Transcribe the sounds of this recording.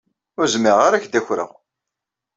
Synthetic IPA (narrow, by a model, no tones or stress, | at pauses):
ʊɾzmiʁaɾæçd̪æçɾə̰ʁ